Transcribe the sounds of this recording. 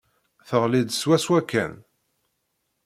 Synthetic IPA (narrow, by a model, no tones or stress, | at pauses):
θəʁlid̪swæswækːæ̰n